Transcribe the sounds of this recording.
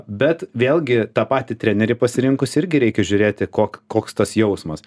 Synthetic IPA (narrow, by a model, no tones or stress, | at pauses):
bʲɛt̪ʋʲeːlˠʲɡʲɪt̪ɑːpɑːt̪ʲɪt̪ʲɾʲæːnʲɛɾʲɪpɐsʲɪɾʲɪŋkʊsɪɾʲɡʲɪɾʲɛɪkʲɛʒʲʊɾʲeːt̪ʲɪkoːkkoːkst̪ɐsjɛʊsmɐs